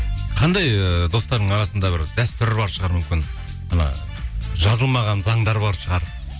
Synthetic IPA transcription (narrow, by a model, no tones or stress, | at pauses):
qʰɑnd̪ɑjəd̪o̞st̪ɑɾd̪əɴɑɾɑsənd̪ɑbɪɾd̪æst̪ʏɾbɑɾʃəʁɑɾmʏmkʲɪn | ɑnɑ̰ | ʒɑzəlˠmɑʁɑnzɑɴd̪ɑɾbɑɾʃəʁɑɾ